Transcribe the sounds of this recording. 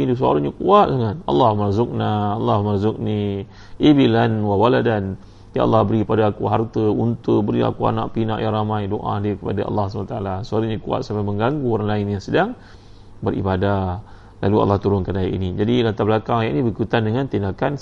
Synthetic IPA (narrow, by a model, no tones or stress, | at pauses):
itus̬əa̰ɾaɲakuat̪̚laŋanɑ̰lːɑhmarzʊk̚naɑlːɑhmarzʊk̚ni | ebilanwawaladan | jaʔa̰lːɑhbəɾikəpadaakuɦart̪əunt̪əbəɾia̰kua̰na̰ʔpina̰ʔjaŋɾamãjdoʔa̰diəkəpadaʔɑ̰lːɑhsmanat̪aalasoaɾaɲakua̰t̪̚samaməŋɡaŋɡuoɾaŋlaɪnjaŋsədaŋ | bəɾḭbada | la̰lua̰lːɑht̪uɾʊnkanaa̰ʔḭnid͡ʒadilant̪abəlakaŋjaʔnĩbəkut̪andəŋant̪indakan